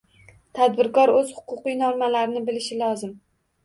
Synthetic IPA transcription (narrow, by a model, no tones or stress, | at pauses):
t̪ʰad̪̚bɪɾkɒɾɵz̥hʊ̥qʰʊqɨjnɒmalaɾɪnɪbɪlɪʃɪlɒzɪm